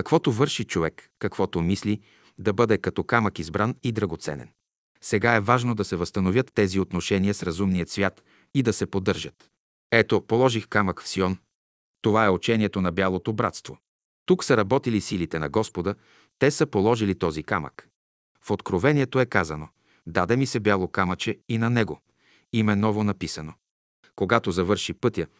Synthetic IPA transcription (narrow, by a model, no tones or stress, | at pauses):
kɐkvɔt̪ovɤɾʃit͡ʃovɛkːɐkv̥ɔt̪omisli | d̪ɐbɤd̪ɛkɐt̪ɔkaməkizbɾanid̪ɾɐɡot̪sɛ̰nɛ̰n | sɛɡaɛvaʒnod̪ɐsɛvəst̪ɐnovʲjɤt̪ːɛziot̪noʃɛniəsɾɐzumniət̪svʲjat̪ | id̪ɐsɛpod̪ɤɾʒət̪ | ɛt̪opolˠɔʒixkaməkfsiɔn | t̪ovaɛot͡ʃɛniɛt̪onɐbjalˠot̪obɾa̰t̪st̪vo | t̪uksəɾɐbɔt̪ilisilit̪ɛnɐ̰ɡɔspod̪ə | t̪ɛsəpolˠɔʒilit̪ɔzikamə̰k | fot̪kɾovɛniɛt̪oɛkazɐno | d̪ad̪ɛmisɛbjalˠokamɐt͡ʃɛinɐnɛɡo | imɛnɔvonɐpisɐno | koɡat̪ozɐvɤɾʃipɤt̪ʲjə